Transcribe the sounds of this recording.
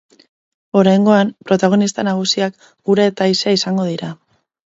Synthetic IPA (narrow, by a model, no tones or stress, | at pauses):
o̞ɾajŋɡo̞ampɾo̞t̪aɣ̞o̞nist̪anaɣ̞usiak | ɡ̥uɾeːt̪aiseaisaŋɡo̞ð̞iɾa